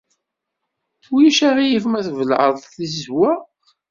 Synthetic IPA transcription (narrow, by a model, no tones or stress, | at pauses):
θwiʃæʁijifmæθvəlʕəðˤθizwæ